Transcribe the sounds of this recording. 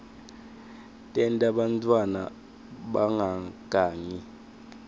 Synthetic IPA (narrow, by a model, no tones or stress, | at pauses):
tʼɛntʼaɓantʰʼwana̰ | ɓaŋʱaɡ̥ʱaːŋi